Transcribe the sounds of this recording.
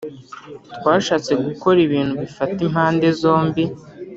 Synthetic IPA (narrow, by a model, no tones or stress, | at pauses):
twaːʃaːt͡se̞ɡuko̞ɾiβiːn̥huβifatimhaːnde̞zo̞ːmbi